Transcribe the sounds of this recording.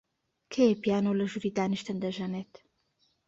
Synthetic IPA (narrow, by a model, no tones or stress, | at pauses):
kʰejepijaːnolɐʒuɾiːd̪aːniʃt̪ɨnd̪ɐʒɐneːt̪